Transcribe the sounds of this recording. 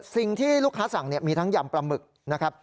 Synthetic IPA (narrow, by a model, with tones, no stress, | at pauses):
si˨˩ŋt̪ʰiː˥˩lu˥˩kʰːaː˦˥sa˩˦ŋni˥˩ɐmiː˧t̪ʰa˦˥ŋjaː˧mpɾa˧mɯ˨˩k̚ | na˦˥kʰɾa˦˥p̚